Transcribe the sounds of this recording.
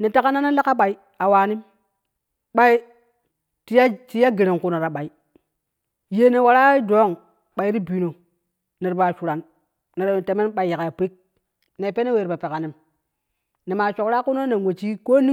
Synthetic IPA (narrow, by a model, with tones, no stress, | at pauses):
ne˨ta˦ka˦na˦na˦la˦ka˦ɓa˨i˦ | a˨waː˨ni˦m | ɓa˦i˦ | ti˦ti˦ja˦ɡe˨ɾe˨ŋku˦no˨ɾa˨ɓa˨i˨˦ | je˦ne˨wa˨ɾa˦do˨˦ŋ | ɓa˨i˦ɾi˦bi˨no˨ | ne˨ɾba˨t͡ʃu˨ɾa˨n | ne˨ɾte˨me˦nɓa˨i˨˦ja˨ka˨a˨pe˦k̚ | ne˨pe˦ne˦we˨ɾba˨pe˨ka˨ni˨˦m | ne˨ma˨t͡ʃo˨kɾa˦ku˦no˦ne˨ŋwe˨t͡ʃi˦ko˦ni˦